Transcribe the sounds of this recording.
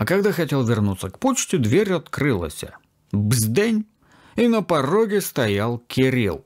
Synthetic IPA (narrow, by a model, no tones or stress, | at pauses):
ɐkɐɡd̪axɐtʲelˠvʲɪrnut̪səkpot͡ɕtʲɪd̪vʲeɾʲɐt̪kɾɨlˠə̰sʲə̰ | bzʲd̪enʲ | inəpɐroɡʲɪst̪ɐjalˠkʲɪɾʲḭlˠ